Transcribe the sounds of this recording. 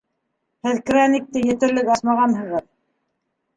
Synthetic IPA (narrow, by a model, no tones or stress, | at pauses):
hɘðkranʲik̚t̪ɘjɘ̆t̪ɘ̆ɾlɘkɑsmɑʁɑnɦɤ̆ʁɤð